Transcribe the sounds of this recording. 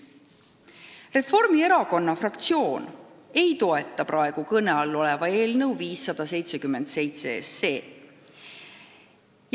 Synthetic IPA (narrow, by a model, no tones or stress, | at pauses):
re̞fo̞rmie̞ɾɑko̞nːɑfrɑkt̪sio̞ːne̞jt̪o̞e̞t̪ːˑɑprɑe̞ɡ̥ukɤneɑlːo̞lɛ̞vɑe̞ːlnɤ̞wviːsːɑd̪̥ɑse̞jt̪se̞kymːe̞nd̪̥se̞jt̪seesːe̞ː